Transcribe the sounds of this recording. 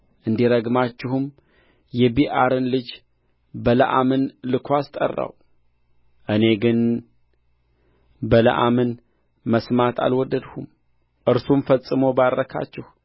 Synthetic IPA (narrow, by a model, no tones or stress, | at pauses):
ʔɨnd̪iɾəɡmat͡ʃːɪhɨm | jɛbiʔaɾɨnlɨd͡ʒ | bələʔa̰mɨnlɨkʰʷast̪ʼə̰rːa̰w | ʔɨne̞ɡɨn | bələ̰ʔa̰mɨn | məsmat̪ʰa̰lwɔd̪ːəd̪hum | ʔɨɾsumfəsʼɨmobarːəkʰa̰t͡ʃːɪhu